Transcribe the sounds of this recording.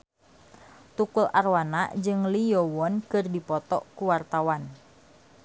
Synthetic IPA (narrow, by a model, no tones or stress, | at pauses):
t̪ukulʔarwanaʔd͡ʒɨŋlijɔwɔnkɨrdipɔt̪ɔ̰kuwart̪awan